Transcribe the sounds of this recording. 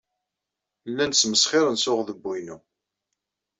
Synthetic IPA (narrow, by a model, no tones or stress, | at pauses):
lːænsməsχɪɾənsʊʁðəbːujnu